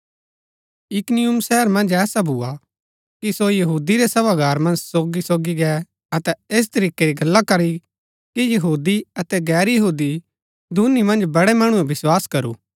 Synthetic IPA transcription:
ɪknɪjʊmsɛːəɾmɐ̃nd͡ʒɛːsabʱua | kisojɐɦuːd̪iɾesɐbaɡaːɾmɐ̃nd͡ʒsoːɡisoːɡiɡɛ | ɐt̪ɛeːs̬t̪ɐɾiːkeɾiɡɐlːakɐɾi | kijɐɦuːd̪iɐt̪ɛɡɛːɾjɐɦuːd̪i | d̪ʱunimɐ̃nd͡ʒbɐɽɛmɐɽ̃uɛʋɪswaːskɐɾṵː

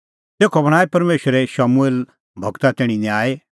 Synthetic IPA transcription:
t̪eːkʰobɐɽ̃aːepɐɾmeːʃəɾeʃaːmueːl | bʱɐɡt̪at̪ɪɽ̃injaːe

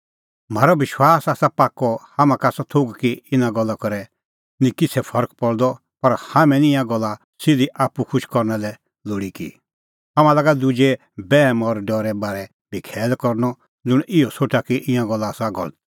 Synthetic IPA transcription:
m̤aːɾɔbɪʃwaːsaːsapaːkːɔhamãkaːsat̪ʰoɡkiɪnãɡɔlːakɔɾɛ | nĩkɪt͡sʰɛpʰɔɾk̚pɔɽd̪ɔ | pɐɾhamɛ̃nɪ̃jãɡɔlːa | sɪd̪iʔaːpːukʰʊʃkɔɾnɛlɛ | loːɽikḭ | ɦamãlaːɡad̪ud͡ʒɛ | bɛːmɔɾɖɔɾɛbaːɾɛ | bʱikʰɛːlkɔɾnɔ | d͡zʊɽ̃ʔɪɔsʰoːʈakiʔɪ̃jãɡɔlːasaɡɔ̰lt̪

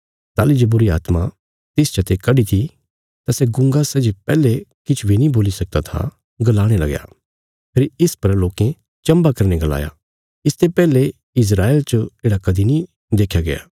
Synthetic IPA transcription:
t̪aːlid͡ʒebʊɾiaːt̪ma | t̪ɪst͡ʃɐt̪ekɐɖit̪ʰi | t̪asɛɡʊ̃ŋɡasɛd͡ʒepɛːlekɪt͡ʃʰubinĩboːlisɐk̚d̪at̪ʰa̰ | ɡɐlaːɽ̃elɐ̰ɡja̰ | pʰeɾɪspɐɾloːkẽ | t͡ʃɐ̃mbakɐɾneɡɐla̰ːja̰ | ɪst̪epɛːle | ɪs̬ɾaːelt͡ʃəeːɽakɐd̪ʱinĩ | d̪eːkʰːjaɡɐja̰ː

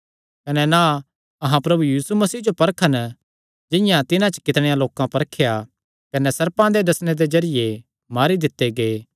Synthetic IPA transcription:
kɐnɛna | ɐɦãpɾɐbujiːsumɐsiːd͡ʒopɐɾkʰən | d͡ʒɪ̃jãt̪ɪnãt͡ʃə̥kɪt̪ɽ̃ejãloːkãpɐɾkʰeja | kɐnɛsɐɾpãd̪ed̪ɐsñed̪ezɐɾɪje | maːɾid̪ɪt̪ːeɡeː

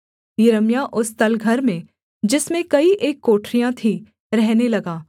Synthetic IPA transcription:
jɪɾəmjaʔʊst̪ɐlɡʱɐɾmẽ | d͡ʒɪsmẽkɐiʔeːkːoːʈʰɾijãt̪ʰi | ɾɛɦnelɐɡaː

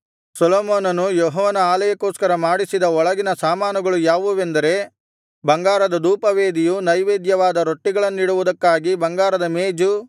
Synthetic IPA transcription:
sɐloːmoːnɐnujɔɦɔːnɐaːlɐjɐkoːskɐɾɐmaːɽisid̪ɐɔɭɐɡinɐsaːmaːnuɡɐɭujaːʋuʋend̪ɐɾe̞ | bɐŋɡaːɾɐd̪ɐd̪uːpɐʋe̞ːd̪ijunɐjʋeːd̪jɐʋaːd̪ɐɾoʈːiɡɐɭɐnːiːɽuʋud̪ɐkːaːɡibɐŋɡaːɾɐd̪ɐmeːd͡ʒu

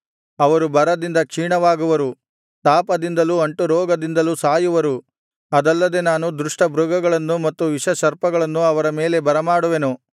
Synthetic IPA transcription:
ɐʋɐɾubɐɾɐd̪ind̪ɐkʂiːɳɐʋaːɡuʋɐɾu | t̪aːpɐd̪ind̪ɐluɐɳʈuɾɔːɡɐd̪ind̪ɐlusaːjuʋɐɾu | ɐd̪ɐlːɐd̪e̞naːnud̪ɾuʂʈɐbɾuɡɐɡɐɭɐnːumɐt̪ːuʋiʂɐʃɐɾpɐɡɐɭɐnːuɐʋɐɾɐme̞ːle̞bɐɾɐmaːɽuʋe̞nu

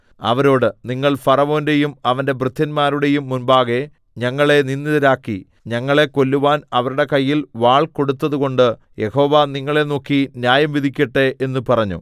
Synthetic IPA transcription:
ɐ̰ʋɐɾo̞ːɽɨniŋːɐɭfɐrɐʋo̞ːnde̞jumɐʋɐnde̞brɨt̪ʰːɐnmaːɾuɽe̞jumːunbaːɣe̞ | ɲɐŋːɐɭe̞ninːiðɐɾaːkːi | ɲɐŋːɐɭe̞ko̞lːuʋaːnɐʋɐɾuɽe̞kɐjːilʋaːɭko̞ɽut̪ːɐðuɣo̞ɳɖɨ | je̞ho̞ːʋɐniŋːɐɭe̞no̞ːkːinjaːjɐmʋid̪ʱikʲːɐʈːeʔenːupɐrɐɲːṵ

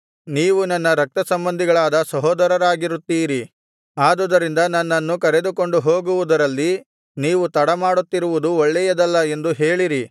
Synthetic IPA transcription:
niːʋunɐnːɐɾɐk̚t̪ɐsɐmbɐnd̪ʱiɡɐɭaːd̪ɐsɐɦoːd̪ɐɾɐɾaːɡiɾut̪ːiːɾi | aːd̪ud̪ɐɾind̪ɐnɐnːɐnːukɐɾe̞d̪uko̞ɳɖuɦo̞ːɡuʋud̪ɐɾɐlːi | niːʋut̪ɐɽɐmaːɽut̪ːiɾuʋud̪uɔɭːɛjɐd̪ɐlːɐe̞nd̪uɦe̞ːɭiɾi

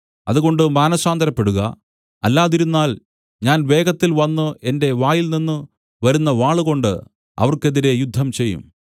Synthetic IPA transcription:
ɐ̰ðuɣo̞ɳɖɨmaːnɐsaːnd̪ɐɾɐpːe̞ɽuɣɐ̰ | ɐlːaːðiɾunːaːl | ɲaːnʋe̞ːɡɐt̪ːilʋɐnːue̞nde̞ʋaːjilninːɨ | ʋɐɾunːɐʋaːɭuɣo̞ɳɖɨ̰ | ɐ̰ʋɐrke̞ðiɾe̞jud̪ʱːɐmt͡ɕe̞jːṵm

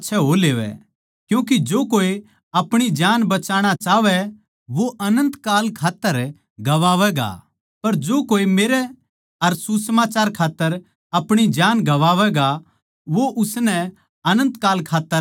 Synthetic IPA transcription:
tːʃʰɛɦoleːʋɛ̰ | kjũːkid͡ʒoːkoːi | ɐpɽ̃id͡ʒaːnbɐt͡ʃaːɽ̃at͡ʃaːʋɛ | ʋoʔɐnə̃nt̪kaːlkʰaːt̪ːəɾ | ɡɐʋaːʋɛɡa̰ | pɐɾd͡ʒoːkoːimeːɾɛ | ɐɾsusmaːt͡ʃaːɾkʰaːt̪ːəɾ | ɐpɽ̃id͡ʒaːnɡɐʋaːʋɛɡa | ʋoʔʊsnɛ | ɐnə̃nt̪kaːlkʰaːt̪ːə

